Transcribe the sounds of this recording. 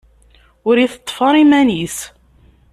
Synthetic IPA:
ʊɾiθət̪ˤːfɑɾˤimænis

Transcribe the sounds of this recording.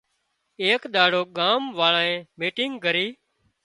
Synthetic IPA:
eːkɗ̪aːɽoːɠaːmʋaːɭaːẽːmiːʈɪ̃ŋɡɡəɾiː

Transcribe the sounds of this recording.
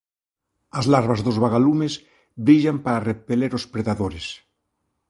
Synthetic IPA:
azlaɾβazðozβaɣalumez | bɾiʎampaɾarepeleɾospɾeðaðoɾes

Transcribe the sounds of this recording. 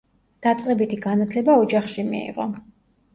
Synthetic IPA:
d̪̥at̪sʼqʼɛbit̪ʰiɡanat̪ʰlɛbaɔd͡ʒaχʃimḭḭʁɔ̰

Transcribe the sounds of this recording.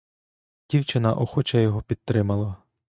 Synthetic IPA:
dʲiwt͡ʃɪnɐʔɔxɔt͡ʃɐjɔɦɔpʲid̪̚t̪ɾɪmɐlˠɐ

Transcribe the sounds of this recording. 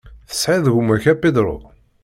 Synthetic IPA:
θə̥sʕɪðʝumæçæpːid̪ɾˤʊ̰

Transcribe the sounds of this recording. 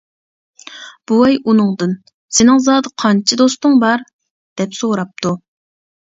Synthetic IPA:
b̥uɛjunɨŋd̪ɨn | sɪnɪŋzɑːd̪ɨqʰɑnt͡ʃʰid̪ost̪ʊŋbɑɾ | d̪̥ɛpsoɾɑp̚t̪ʰu

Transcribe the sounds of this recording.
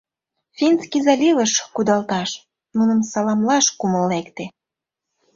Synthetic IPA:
fʲinskizɑlʲivəʃkud̪ɑlt̪ɑʃ | nunəmsɑlɑmlɑʃkuməlːekt̪e

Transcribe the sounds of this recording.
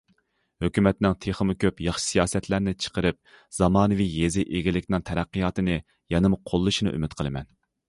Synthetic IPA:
høkʲymɛt̪nɪŋt̪ʰeχəmɨkʲøpjɑχʃɨ̥sijɑːsɛt̪læɾnɪt͡ʃʰə̥qəɾɨp̚ | z̥ɑmɑːnɨvijezɪʔeɡʲilɪkʲnɪŋt̪ʰɛɾæqːɨjɑːt̪ɨnɨ | jɑnɨmqʰolˠːɨʃinɨʔy̰mɪt̪qʰəlˠɨmɛ̰n

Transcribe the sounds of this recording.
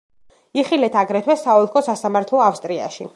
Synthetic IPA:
iχilɛt̪ʰaɡɾɛt̪ʰwɛsaɔlˠkʰɔsasamaɾt̪ʰlɔafst̪ʼɾia̰ʃi

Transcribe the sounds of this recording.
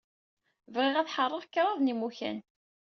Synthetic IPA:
vʁɪʁæθħərˤːəʁkːɾˤɑvnimuçæ̰n

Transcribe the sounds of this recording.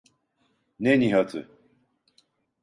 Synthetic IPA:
neniɦat̪ʰɨ̰

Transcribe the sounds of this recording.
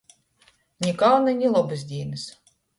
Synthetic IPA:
nʲikawnɨnʲilˠɔbɨzʲd̪ʲiːnʲɨs

